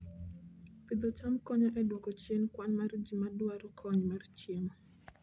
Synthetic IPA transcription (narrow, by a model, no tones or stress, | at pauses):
pid̪ɔt͡ʃamkɔɲɔʔɛdwɔkɔt͡ʃjenkwanmard͡ʒimadwaɾɔkʰɔɲmart͡ʃjemɔ